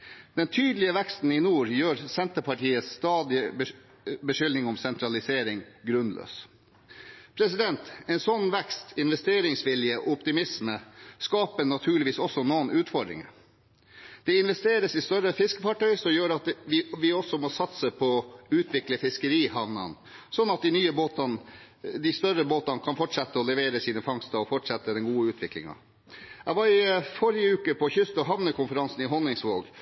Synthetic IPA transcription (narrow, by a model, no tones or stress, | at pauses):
d̪̥ɛnt̪ʰyːd̪lɪəʋɛkst̪n̩ɪnuːɾjøːɾsɛnt̪əpʰɑʈiːəsːt̪ɑːd̪ɪ | bəʃʏlnɪŋɔmsɛnt̪ʰɾɑlɪseːɾɪŋɡɾʉnlø̰ːs | pʰɾɛsɪd̪ɛnt̪ɛːnsɔnːʋɛkst̪ɪnʋɛst̪eːɾɪŋsʋɪljəɔpt̪ɪmɪsməskɑːpənɑt̪ʰʉːɭɪʋiːsɔsːɔnoːnʔʉːt̪fɔɖɾɪ̰ŋə | d̪̥ɛɪnʋɛst̪eːɾəsɪst̪œɾəfɪskəfɑʈʰœʏɾsɔmjøːɾɑt̪ʋɪʋɪɔsɔmɔsɑt̪səpʰɔʉːt̪ʰʋɪkləfɪskəɾiːhɑʋnɑ̰n | sɔnːɑt̪̚d̪ɪnyːəboːt̪ɑn | d̪ɪst̪œɾəboːt̪ɑnkʰɑnfɔʈʂɛt̪ːəɔlɛʋeːɾəsiːnəfɑŋst̪əɔfɔʈʂɛt̪ːəd̪ɛnɡuːəʉːt̪ʰʋɪklɪ̰ŋɑ̰ | æʋɑːɾɪfɔɾɪəʉːkəpʰɔçʏst̪ɔɦɑʋnəkʰʊnfəɾɑnsn̩ɪɦɔnːɪŋsʋoːɡ